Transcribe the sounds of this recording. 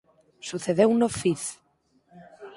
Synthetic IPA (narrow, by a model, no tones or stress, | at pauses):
suθeðewnofiθ